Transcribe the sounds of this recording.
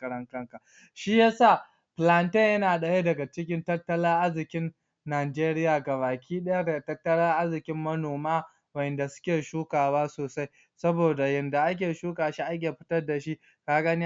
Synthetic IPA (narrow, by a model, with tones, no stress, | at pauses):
kɐ˦ɾɐ˦ŋkɐ˦ŋka˨ | ʃi˦ja˦saː˦˨ | pla˨ntɐ˦˨jɐ˦naː˨ɗɐ˨ja˦dɐ˨ɡa˨t͡ʃɪ˦kʲɪ˦ntɐ˦tːɐ˦lɐ˦ŋʔa˦zɪ˨kʲɪ˦nː | aː˨d͡ʒeː˦ɾɪ˦jaː˨ɡɐ˨βaː˨kʲiː˦ɗɐ˦ja˦dɐ˨a˨tɐ˦tːɐ˦lɐ˦ʔa˦zɪ˨kʲɪ˦mːɐ˦noː˨maː˦ | wɐ˦˨jɛ˨nda˨sʊ̥˦kʲeː˨ʃuː˦kaː˨waː˦soː˨sa˦j | sɐ˦boː˨da˨jɐ˨nda˨ʔa˦k̬ʲeː˨ʃuː˦kaː˨ʃi˦ʔa˦k̬ʲeː˨ɸɪ̥˦tɐ˦rda˨ʃi˦ | kaː˦ɡɐ˦ni˦